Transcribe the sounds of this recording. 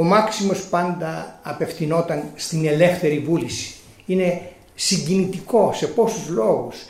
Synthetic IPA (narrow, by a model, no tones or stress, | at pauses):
o̞mɐksimo̞spɐnd̪ɐːpe̞fθino̞t̪ɐnst̪ine̞le̞fθe̞ɾivulisi̥ | ine̞ | siɲɟinit̪iko̞se̞po̞suzlo̞ɣus